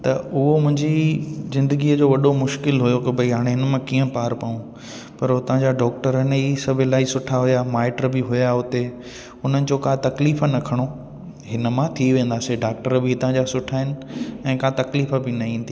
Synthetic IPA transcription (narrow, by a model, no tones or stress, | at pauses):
t̪ɐʔʊɦomʊ̃ɦɪ̃ɲd͡ʑizɪ̃nd̪əɡiːəd͡ʑoːʋɐɗomʊʃkɪlɦʊjokɪbʱɐiɦaːɽ̃eɦɪnəmãkiːə̃paːɾpaũ | pɐɾot̪ɐʋ̤ãd͡ʑaɖɔːk̚ʈəɾənisɐbʱɪlaːisʊʈʰaɦʊjamaːɪʈɾbɪɦʊjaʊt̪e | ʊn̤ənɪ̆d͡ʑoːkãːt̪ɐkliːfnɐkʰɐɽ̃o | ɦɪnə̆mãt̪ʰiʋẽːn̆d̪aːseɖaːk̚ʈəɾbɪɪt̪ãd͡ʑasʊʈʰaːɦɪnɪ̆ɛ̃ːkãt̪ɐkliːfəbɪnɐɦĩːnt̪ʰi